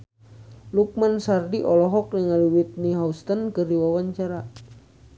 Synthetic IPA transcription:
luk̚mansardiʔɔlɔɦɔk̚niŋaliwit̪̚niɦaust̪ənkɨrdiwawaɲt͡ʃaɾa

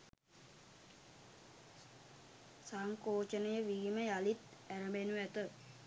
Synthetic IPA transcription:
saŋkoːt͡ʃənəjəʋiːməjalit̪æɾəmenuʋæt̪ə

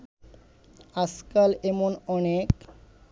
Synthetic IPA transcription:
askalemonɔnek

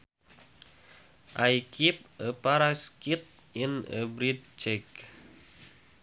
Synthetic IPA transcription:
ʔajkʰip̚əpaɾaskit̪̚ | inə̰bɾit̪̚t͡ʃɛk

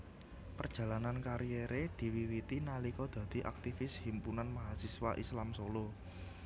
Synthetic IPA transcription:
pərd̥ʒ̥ä̤lanankaɾijeɾed̪̥i̤wiwit̪inalikɔd̪̥ä̤d̪̥i̤ʔa̰k̚t̪ifɪshimpunanmaɦasiswa̰ʔislamsolo

